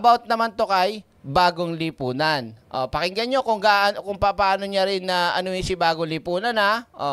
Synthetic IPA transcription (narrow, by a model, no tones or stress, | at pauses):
bawt̪̚nɐmant̪o̞kɐj | baːɡoŋlɪpuːnɐnʔopɐkɪŋɡɐɲːokʊŋɡaʔɐnokʊŋpɐpaːno̞ɲaɾɪnːɐʔɐ̰noisɪbaːɡoŋlɪpuːnɐnhaʔo